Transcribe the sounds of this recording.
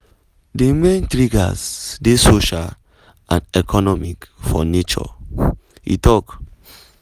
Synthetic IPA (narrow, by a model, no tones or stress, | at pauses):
demẽntɾiɡa̰sdesoʃal | ãnɛkʰɔnɔmikfɔ̰net͡ʃɔ̰ | ḭtɔk